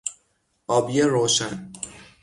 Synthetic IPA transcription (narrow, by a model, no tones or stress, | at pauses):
ɒːbijeɾoːʃæn